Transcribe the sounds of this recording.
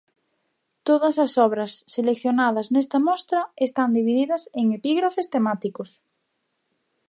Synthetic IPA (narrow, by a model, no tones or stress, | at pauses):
t̪oðɐsɐsɔβɾɐsːelekθjonað̞ɐznɛst̪ɐmɔst̪ɾɐest̪and̪iβiðiðɐseŋepiɣɾafest̪emat̪ikos